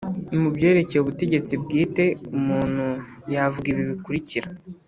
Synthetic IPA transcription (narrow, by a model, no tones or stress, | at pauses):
imubɟe̞ːɾe̞ce̞juβute̞ɟe̞t͡sib̚ɡiːte̞umuːn̥hu | javuɡiβiβikuɾiciɾa